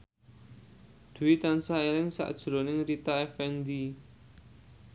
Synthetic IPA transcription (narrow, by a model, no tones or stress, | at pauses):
d̪̥uwit̪ansaelɪŋsa̰ʔd̥ʒ̥ɾo̤nɪŋɾit̪aɛfɛnd̪i